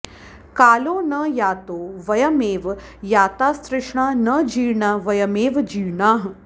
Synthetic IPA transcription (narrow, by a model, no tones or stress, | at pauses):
kaːloːnɐjaːt̪oːʋɐjɐmeːʋjaːt̪aːst̪ɾɪʂɳaːnɐd͡ʒiːɳaːʋɐjɐmeːʋd͡ʒiːɳaːɦ